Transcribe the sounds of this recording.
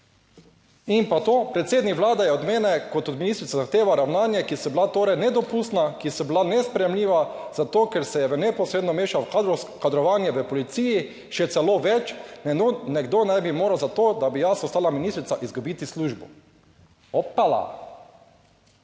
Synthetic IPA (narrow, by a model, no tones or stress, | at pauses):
impat̪opɾɛt̪seːd̪nikʋlaːd̪ajɛɔd̪meːnɛkɔt̪ɔd̪minist̪ɾit̪azaxt̪eːʋaɾawnaːnjɛkisɔblat̪oːɾɛjnɛd̪ɔpust̪nakisɔblanɛspɾɛjɛmliːʋazat̪oːkɛɾsɛjɛʋənɛpɔsɾeːd̪nɔmeːʃaaɾɔkad̪ɾɔʋaːnjɛʋəpɔlit̪siːji | ʃɛt̪sɛloːʋɛt͡ʃ | nɛɡd̪oːnɛjbimoːɾawzat̪oːd̪abijasɔst̪aːlaminist̪ɾit̪saʔizɡubit̪isluʒbɔ | ɔpːala̰